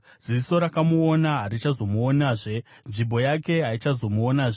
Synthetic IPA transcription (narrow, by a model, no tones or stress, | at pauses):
z̥iso̞ɾakamuonaɦaɾit͡ʃazo̞muonaːʐe̞ | nʐimbʱo̞jake̞ɦait͡ʃazo̞muonaːʐe